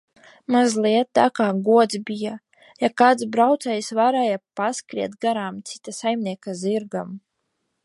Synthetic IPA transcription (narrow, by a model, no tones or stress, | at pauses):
mazlˠiɛt̪̚t̪akaːɡuɔd̪zbʲija | jakaːt̪sbɾawt̪sɛjsvaɾɛjapaskɾiɛt̪ɡaɾaːmt̪si̥t̪asajmniɛkaziɾɡam